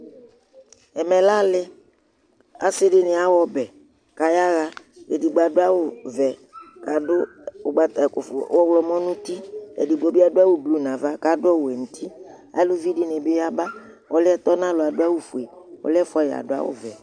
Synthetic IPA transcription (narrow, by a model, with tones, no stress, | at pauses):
ɛ˨mɛ˨la˦lɪ˦ | a̰˨sɪ˦dɪ˦nɪ˨a˦wɔ˦bɛ˨ | ka˨ja˦ɣa˦ | ɛ˨di˨ɡ͡ba˨dʊ˦a˦wʊ˦vɛ˨ka˨dʊ˦ | ʊ˨ɡ͡ba˨t̪a˨kʊ˨fʊ̰˨wɔ˦wlɔ˨mɔ̃˦nʊ̃˦t̪i˦ɛ̰˨di˨ɡ͡bɔ˦bɪ˦a˦dʊ˦a˦wʊ˦blu˨nã˨va˦ka˨dʊ˦ɔ˦wʊ˨ɛ˨n̩˨t̪ʰi˦ | a̰˨lʊ˦vi˦dɪ˦nɪ˨bɪ˦ja˦ba˦ | ɔ˦lɪ˦ɛ˦t̪ɔ˦nã˦lʊ˨a˨dʊ˦a˦wu˦fu˨e˨ɔ̰˨lɪ˦ɛ˦fɔ˨˦ja̰˨dʊ˦a̰˦wʊ̰˦vɛ˨